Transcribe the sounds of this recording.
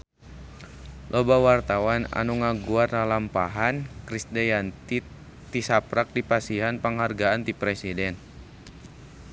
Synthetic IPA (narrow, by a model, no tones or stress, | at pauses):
lʔɔbawart̪awana̰nuŋaɡuarlalampaɦankɾisdɛjan | t̪isapɾak̚dipasiɦanpaŋɦarɡaant̪ipɾesidɛn